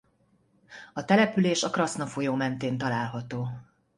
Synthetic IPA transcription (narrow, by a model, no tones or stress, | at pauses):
ɒt̪ɛlɛpyleːʃɒkrɒsnɒfo̞joːmɛnt̪eːnt̪ɒlaːlɦɒt̪oː